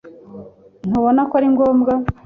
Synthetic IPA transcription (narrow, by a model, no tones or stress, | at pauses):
n̥uβonakaɾiŋɡoːmɡa